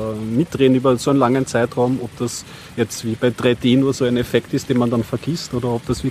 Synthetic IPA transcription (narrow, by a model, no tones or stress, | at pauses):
mɪt̚d̥ʁeːnyːbɐsoːæɪnlaŋənt͡saɪtʁɑʊmɔp̚d̥as | jɛt͡stviːbaɪd̥ʁaɪdeːnuːɐzoːæɪnɛfɛktɪst̚d̥eːnmandanfɛɐɡ̥istoːdɐɔpd̥asviɐ